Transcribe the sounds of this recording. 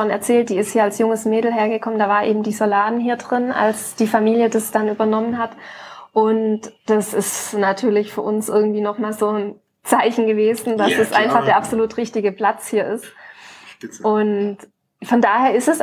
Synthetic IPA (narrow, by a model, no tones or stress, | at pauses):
ɔnɛɐt͡sɛːlt̚d̥iːɪsthiːɐalsjʊŋəsmeːdl̩ɦeːɐɡəkʰɔməndaːvaːɐnʔḛːbm̩diːzolaːdn̩hiːɐdʁɪnʔa̰lsd̥iːfamiːljədasd̥anʔyːbɐnɔmənɦatʔʊntd̥asɪstnatʰyːɐlɪçfyːɐʔʊnsʔɪɐɡŋ̩tv̥iːnɔχmaːlzoːn | t͡saɪçn̩ɡəveːzn̩d̥asd̥asʔaɪnfaχd̥eːɐapz̥oluːtʁ̥ɪçtɪɡəpl̥at͡shiːɐɪst | ʔʊnt | fɔndaːheːɐɪstɛs